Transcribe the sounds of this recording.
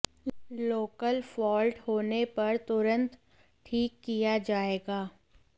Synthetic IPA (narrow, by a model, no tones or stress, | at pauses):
loːkəlfɔːlʈhoːnepɐɾt̪ʊɾə̃nt̪ | ʈʰiːkːijad͡ʒaːeːɡaː